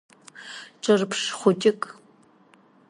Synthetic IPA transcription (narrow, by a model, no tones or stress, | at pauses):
ʈ͡ʂʼɨrpʰʂχʷʊtʼɪkʼ